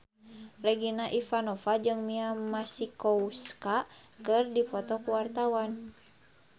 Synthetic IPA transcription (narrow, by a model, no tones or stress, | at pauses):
rɛɡinaʔifanɔfad͡ʒɨŋmiamasikɔuskakɨrdifɔt̪ɔkuwart̪awan